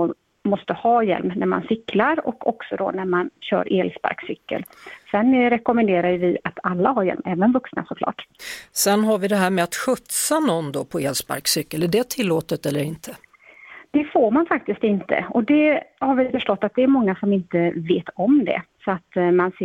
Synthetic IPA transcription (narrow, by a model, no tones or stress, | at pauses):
mɔst̪əhɑːjɛ̰lmnæɾma̰nsʏkʰːlaɾɔ̰kʰɔ̰ksɔd̪o̰ːnæɾmanɕœ̰ːɾʔeːlspa̰ɾksʏkːə̰lsɛnːɾɛkʊmɛnd̪eːɾajəvɪʔat̪ʰalːaɦaɾjɛ̰lmɛːvənvɵksna̰sɔkʰlɑ̰ːʈsɛnɦaɾvɪd̪ɛɦæːɾmɛat̪ɧɵt̪sanɔnd̪ɔːpʰɔeːlspa̰ɾksʏkːəlæɖɛt̪ʰɪlːoːt̪ət̪ɛlːəɾɪnt̪ʰə | d̪̥ɛfoːɾmanfak̚t̪ɪs̚t̪ɪnt̪ə̰ɔd̪ɛhaɾvɪfœʂʈɔt̪ːat̪̚d̪ɛːɾmɔŋːasɔmɪnt̪əveːt̪ʰɔmd̪ɛ̰sɔat̪mans